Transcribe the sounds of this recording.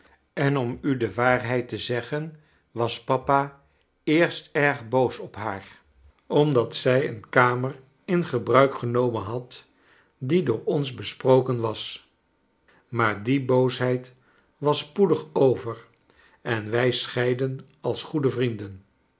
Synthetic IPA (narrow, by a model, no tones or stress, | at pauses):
ɛnɔmydəʋaːrɦɛjtəzɛχən | ʋɑspɑpa | ɪːɹstɛɹχbowsɔpɦaːr | ɔmdɑtsɛjə̰nkaːmər | ɪnχəbrœɥkχənowmənɦɑt | didʊːɹɔnzbəsprowkənʋɑs | maːɹdibowsɦɛjt | ʋɑspudəχowvər | ɛnʋɛjsχɛjdən | ɑlˠsχudəvrindən